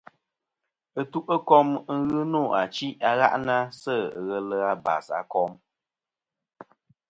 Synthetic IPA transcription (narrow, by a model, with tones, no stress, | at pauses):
ə˦tu˦ʔə˦kɔ˦m˦ŋ̩˦ɣɨ˦no˦˨a˨t͡ʃi˦a˨ɣa̰˦ʔna˦sə˦˨ɣə˨lə˦a˦ba̰˨sa̰˨kɔ˦m